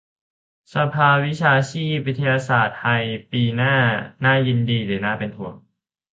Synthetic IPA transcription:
sa˧pʰaː˧wi˦˥t͡ɕʰaː˧t͡ɕʰiː˥˩p̚wi˦˥t̪ʰa˧jaː˧saː˨˩t̪̚hʰa˧jpiː˧naː˥˩naː˥˩ji˧ndiː˧dɯː˨˩˦naː˥˩pe˧nt̪ʰu˨˧˩ɐŋ

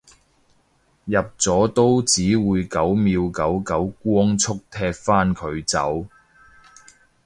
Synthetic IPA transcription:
jɐ˨p̚t͡sɔː˨˥t̪o˥wt͡siː˨˥wuː˨˧jkɐ˨˥wmiː˧wkɐ˨˥wkɐ˨˥wkʷɔː˥ŋt͡sʰʊ˥k̚t̪ʰɛː˧k̚faː˥nkʰɵ˨˧ɥt͡sɐ̰˨˥w

